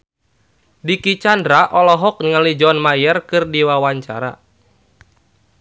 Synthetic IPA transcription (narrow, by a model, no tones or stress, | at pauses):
dikit͡ʃandɾaʔɔlɔɦɔk̚niŋalid͡ʒɔnmajɛrkɨrdiwawaɲt͡ʃa̰ɾa̰